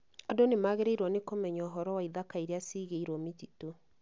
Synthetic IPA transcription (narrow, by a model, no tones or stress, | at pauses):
adonemaːɣeɾeiɾwɔnekomɛɲɔːɦɔɾɔwaiðakaiɾeasiːɣeiɾɔmetito